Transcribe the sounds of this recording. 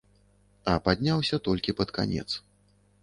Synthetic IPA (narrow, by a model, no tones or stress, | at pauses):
ɐpad̪ʲnʲawsʲɐt̪ɔlʲkʲipɐt̪ka̰nʲɛ̰t̪s